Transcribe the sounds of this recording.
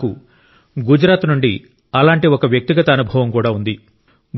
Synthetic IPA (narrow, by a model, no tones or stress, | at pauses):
ku | ɡud͡ʒɾaːt̪nuɳɖi | ɐlaːɳʈiɔkɐʋjɐk̚t̪iɡɐt̪ɐːnubʱɐʋɐmkuːɽaːund̪i | b